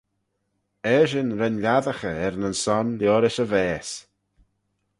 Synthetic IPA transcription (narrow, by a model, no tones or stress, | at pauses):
ɛʃɪnɾɛnlʲaðəxəɛɾnənsɔnljoːɾɪʃəvɛːs